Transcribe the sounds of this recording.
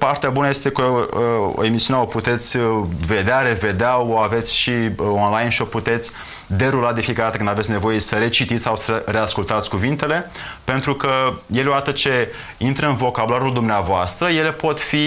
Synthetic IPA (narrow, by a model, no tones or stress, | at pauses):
part̪eabunəje̞st̪e̞kəo̰e̞misiuneoput̪e̞t̪sʲve̞d̪eaɾe̞ve̞d̪eaoave̞t̪sʲʃionlajnʃio̞put̪e̞t̪sʲ | d̪e̞ɾulad̪efijekəɾat̪əkɨnd̪avesʲne̞vo̞je̞səɾe̞t͡ʃit̪it̪sʲsawsəɾe̞askult̪at̪sʲkuvint̪e̞le̞pe̞nt̪ɾukəjeleoat̪ət͡ʃe̞ | int̪ɾəɨnvo̞kabulaɾuld̪umneavoast̪ɾəje̞le̞po̞t̪fi